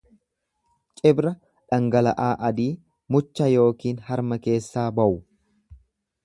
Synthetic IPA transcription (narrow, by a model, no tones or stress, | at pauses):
t͡ʃʼɪbɾɐ | ᶑɐŋɡɐlɐʔaːʔɐd̪iː | mʊt͡ʃːɐjo̞ːkiːnhɐɾmɐke̞ːsːaːbɐʔʊ